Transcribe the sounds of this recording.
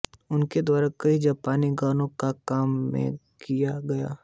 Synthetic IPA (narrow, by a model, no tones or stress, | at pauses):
ʊnked̪waːɾakɐid͡ʒaːpaːniɡaːnõkakaːmːḛ̃ | kijaɡɐja̰ː